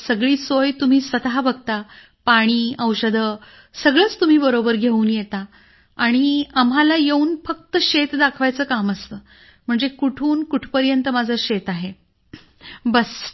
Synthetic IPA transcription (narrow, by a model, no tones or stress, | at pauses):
səɡɭiːsojt̪um̤iːsʋət̪aɦabəɡ̚t̪a | paɽ̃iːəwɕəd̪ʱə | səɡɭəːt͡st̪um̤iːbəɾobəɾɡʱeuːnjet̪a | aɽ̃iamɦalajeuːnfək̚t̪əɕet̪d̪akʰʋajt͡səːkaməst̪əː | m̤əɳd͡zekuʈʰuːnkuʈʰpəɾjənt̪əmad͡zʱəɕet̪aɦe | bəs